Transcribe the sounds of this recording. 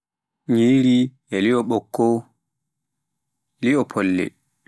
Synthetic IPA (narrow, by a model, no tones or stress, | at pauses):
ɲiːɾiʔɛliɔɓɔkːɔ | liɔpʰɔlːɛ̰